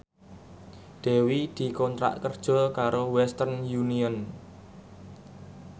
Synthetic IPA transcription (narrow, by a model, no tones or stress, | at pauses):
ɖ̪̥e̤wid̪̥i̤kɔnt̪ɾa̰ʔkərd̥ʒ̥ɔ̤lkaɾowɛst̪ərnjuniən